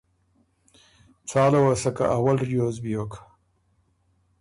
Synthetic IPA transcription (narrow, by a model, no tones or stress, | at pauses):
t͡sɑːlawasaka̰ʔawalɾjozbijok